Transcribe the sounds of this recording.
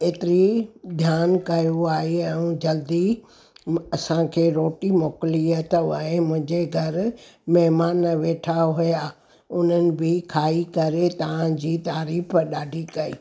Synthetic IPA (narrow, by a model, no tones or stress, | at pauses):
eːt̪ɪɾid̪ʱjaːnkɐjuaːɦeɛ̃ũd͡ʑɐld̪i | ɐsãkʰeːɾoːʈimoːkɪliət̪ːẽmʊ̃ɦɪ̃ɲd͡ʑeɡʱɐɾmɐɦmaːnʋeːʈʰaɦʊja | ʊn̤ənɪ̆bɪkʰaːikɐɾet̪ɐʋãd͡ʑiːt̪aːɾiːfɗaːɖʱikɐḭː